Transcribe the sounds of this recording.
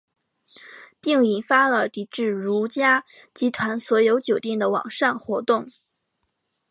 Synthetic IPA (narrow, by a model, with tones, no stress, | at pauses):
pi˥˩ŋi˨˩nfa˥lə˨t̪i˧˥ʈ͡ʂɻ̩˥˩ɻu˧˥t͡ɕja˥ | t͡ɕi˧˥t̪ʰwa˧˥nswɔ˧˥jo˧˥ʊt͡ɕjo˨˩ʊt̪jɛ˥˩ŋd̪ə˩wɑ̰˨˩ŋʂa˥˩nxwɔ˧˥t̪ʊ˥˩ŋ